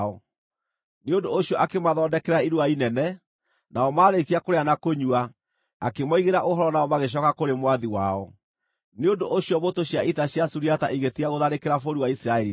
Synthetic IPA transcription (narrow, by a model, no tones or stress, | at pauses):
ɔ | neondoːɕiɔʔakemaðɔːndɛkɛɾaiɾuainɛnɛ | nʔaɔmaːɾetiakoɾeanakoɲua | akemɔiɣeɾaʔoɦɔɾɔnaɔmaɣeɕ̬ɔkakoɾemwaðiwaɔ | neondoʔːɕiɔβotoɕjaitaɕjasuɾiataʔiɣetiaɣoðaɾekeɾafoɾiwaisɾaɛɾi